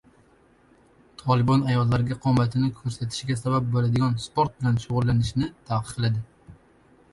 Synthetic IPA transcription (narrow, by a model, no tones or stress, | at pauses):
t̪ʰɒlˠɪbɒnajɒlˠːaɾɪɡʲaqʰɒmat̪ʰɪnɪkʰɵɾsat̪ʰɪ̥ʃɡʲasabap̚bolad̪ɪɡʲɒnspoɾt̪̚bɪlanʃʊʁʊlːanɪʃnɪt̪ʰaqʰɨ̥qʰlad̪ɪ